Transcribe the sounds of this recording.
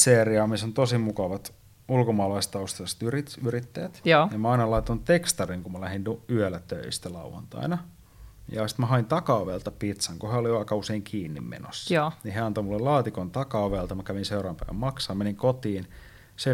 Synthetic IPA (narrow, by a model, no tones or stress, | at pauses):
seːriɑmisont̪osimukɑʋɑt̪ | ulkomɑːlɑist̪ɑust̪elst̪yriyrit̪ːæjæt̪ːjɑmæɑinɑlɑit̪ːɑnutt̪ekst̪ɑriŋkumælæhinuyølːæt̪ø̰ist̪ælɑ̰uʋɑ̰nt̪ɑ̰inɑ | jɑ̰si̥t̪mæhɑint̪ɑkɑoʋelt̪ɑpit̪sɑŋkoheoliʋɑikɑuseiŋkʰiːnːḭmmḛno̰sːɑniheɑnt̪oimulːellɑːt̪ikont̪ɑkɑoʋelt̪ɑmækæʋinseurɑːmpæiʋæ̰mmɑksɑːmmeniŋkot̪iːn | se